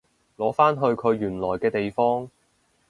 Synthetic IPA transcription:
lɔː˨˥faː˥nɦɵ˧ɥkʰɵ˨˧ɥjyː˨˩nlɔː˨˩jkɛː˧t̪e˨jfɔː˥ŋ

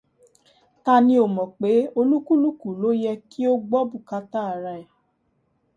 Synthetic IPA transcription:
ta˧nĩ˧˦o˨mɔ̃˨k͡pe˨˦o˧lu˦ku˦lu˦ku˨lo˦jɛ˧ki˦o˦ɡ͡bɔ˦bu˦˨ka˧ta˦a˨ɾa˧ɛ˨

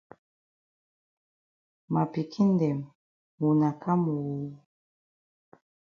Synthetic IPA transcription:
ma˨pi˨kʰi˦n˦dɛ˨m | u˨na˨ka˦mu˨wu˨

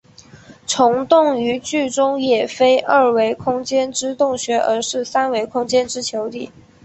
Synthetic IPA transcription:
ʈ͡ʂʰʊ˧˥ŋt̪ʊ˥˩ŋy˧˥t͡ɕy˥˩ʈ͡ʂʊ˥ŋjɛ˨˩fe˥ɪʔə˞˥˩we˧˥ɪkʰʊ˥ŋt͡ɕjɛ˥nʈ͡ʂɻ̩˥t̪ʊ˥˩ŋɕɥɛ˧˥ʔə˞˧˥ʂɻ̩˥˩sa˥nwe˧˥ɪkʰʊ˥ŋt͡ɕjɛ˥nʈ͡ʂɻ̩˥t͡ɕʰjo˧˥ʊt̪i˥˩

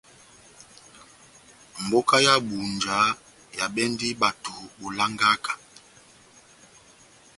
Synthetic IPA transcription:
m̩˨bo˦ka˦ja˦bu˨nd͡ʒa˨˦ | ja˨ɓɛ˦ndi˦ɓa˨tu˨ɓo˨la˦ŋɡa˦kḁ˨

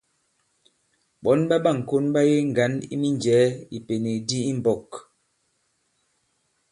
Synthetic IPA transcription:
ɓɔ˨˦nɓa˦ɓa˦˨ŋ̩˨ko˦nɓa˦je˦ŋ̩˨ɡa˨˦nḭ˦mi˦nd͡ʒɛː˨˦i˨pe˨ni˨di˦i˦m̩˨bɔ˨k

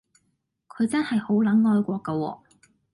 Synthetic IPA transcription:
kʰɵ˨˧ɥt͡sɐ˥nhɐ˨jho˨˥wlɐ˨˥nŋɔː˧jkʷɔː˧kɐ˧wɔ̰ː˧

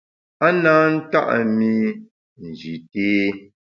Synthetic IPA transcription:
a˦naː˦n̩˦ta̰˦ʔmi˦ | n̩˨d͡ʒi˨teː˦

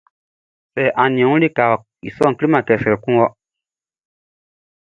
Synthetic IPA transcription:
sɛ˨ʔã˨nĩ˨ɛ̃˨˦ŋũ˦li˦ka˨ | ḭ˨sɔ˦˨ki˦li˦mã˨kɛ˨sɛ˨ɾɛ˨kũ˦wɔ˦

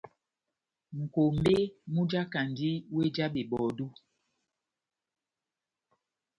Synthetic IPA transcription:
ŋ̩˨ko˨m̩˦be˦mu˦d͡ʒa˦ka˨ndi˦we˦d͡ʒa˦ɓe˨ɓɔ˨du˦

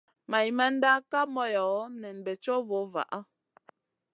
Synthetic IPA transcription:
ma˨i˨ma˦n̩˦da˦ka˦mɔ˦jɔ˨˦nɛ˨n˨bɛ˨t͡ʃɔ˦vo˨˦va̰˨ʔa˦

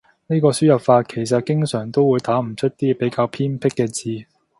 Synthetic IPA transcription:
ne˥kɔː˧syː˥jɐ˨p̚faː˧t̚kʰe˨˩js̬ɐ˨t̚kɪ˥ŋsœː˨˩ŋt̪o˥wuː˨˧jt̪aː˨˥m̩˨˩t͡ʃʰɵ˥t̚t̪iː˥pe˨˥jkaː˧wpʰiː˥npʰɪ˥kːɛː˧t͡siː˨˧

